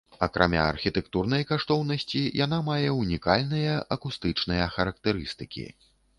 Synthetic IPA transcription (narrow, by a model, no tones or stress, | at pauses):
ɐkɾʔa̰mʲa̰ɐ̰rxʲit̪ɛkt̪urn̪ɐjkaʂt̪ɔwnɐsʲt͡sʲijanamajɛunʲikalʲnɨjɐʔɐkust̪ɨt͡ʂnɨjɐxɐɾɐk̚t̪ɛɾɨst̪ɨkʲḭ